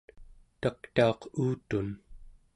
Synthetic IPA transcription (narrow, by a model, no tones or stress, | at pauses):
t̪akt̪ao̞quːt̪un